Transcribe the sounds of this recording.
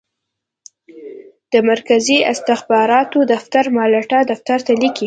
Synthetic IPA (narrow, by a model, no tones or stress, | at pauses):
d̪̥əmaɾkaziɪ̰st̪ɪxbɑɾɑt̪od̪aft̪aɾmɑlaʈad̪aft̪aɾt̪aliki